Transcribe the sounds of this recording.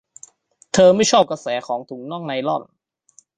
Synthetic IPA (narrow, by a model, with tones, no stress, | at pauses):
t̪ʰɤː˧ma˥˩jt͡ɕʰɔː˥˩p̚ka˧sɛː˩˦kʰɔː˩˦ŋt̪ʰuː˩˦ŋnɔ˥˩ŋna˧jlɔ˥˩n